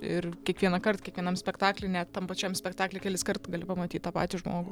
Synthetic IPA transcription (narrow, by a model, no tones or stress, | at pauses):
ɪrkʲiɛkʋʲiɛnɐkɐrt̪kʲiɛkʋʲiɛnɐmsʲpʲɛkt̪ɑːklʲɛɪnʲɛt̪t̪ɐmpɐt͡ʃʲɛmsʲpʲɛkt̪ɑːklʲekʲɛːlʲɪskɐrt̪ɡɐlʲɪpɐmɐt̪ʲiːt̪t̪ɑːpɑ̰ːt̪ʲiʒmoːɡʊ